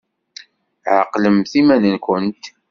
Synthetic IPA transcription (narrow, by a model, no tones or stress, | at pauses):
ʕə̰qːləmθimænənkʷənt̪